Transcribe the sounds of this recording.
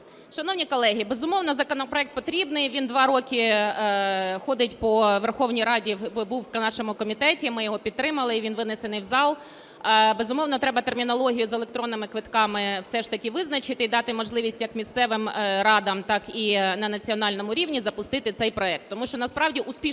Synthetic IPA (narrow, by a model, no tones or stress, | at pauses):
ʃɐnɔwnʲikɔlˠɛɦʲibezʊmɔwnɔzɐkɔnɔpɾɔɛk̚t̪̚pɔt̪ɾʲibnɪjʋʲind̪ʋɑɾɔkʲɪ | xɔd̪ɪtʲpɔʋerxɔwnʲijɾɑdʲibuwknɑʃɔmʊkɔmʲit̪ɛtʲimɪjɔɦɔpʲid̪t̪ːɾɪmɐlˠɪiʋʲinʋɪnɪsenɪjwzɑlˠ | bezʊmɔwnɔt̪ɾɛbɐt̪ermʲinɔlˠɔɦʲijʊzelˠekt̪ɾɔnːɪmɪkʋɪt̪kɑmɪwsɛʃt̪ɐkʲɪʋɪznɐt͡ʃɪt̪ɪid̪ɑt̪ɪmɔʒlˠɪʋʲisʲtʲjɐkmʲist̪sɛʋɪmɾɑd̪ɐmt̪ɑkinɐnɐt͡sʲiɔnɑlʲnɔmʊɾʲiʋnʲizɐpʊst̪ɪt̪ɪt̪sɛjpɾɔɛk̚t̪ːɔmuʃt͡ʃɔnɐspɾɑwdʲiʔʊspʲi